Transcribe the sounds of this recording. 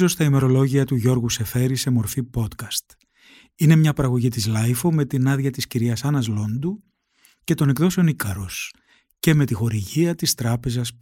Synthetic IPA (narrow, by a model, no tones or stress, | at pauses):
zo̞st̪ɐime̞ɾo̞lo̞ʝiɐt̪uʝo̞ɾɣuse̞fe̞ɾisemo̞ɾfipo̞t̪kɐst̪ | ine̞mɲɐpɐɾɐɣo̞ʝit̪izlɐjfome̞t̪inɐðʝɐt̪isciɾiɐsɐnɐzlo̞nd̪u | ce̞t̪o̞ne̞kðo̞seo̞nikɐɾo̞s | ceme̞t̪ixo̞ɾiʝiɐt̪ist̪ɾɐpe̞zɐs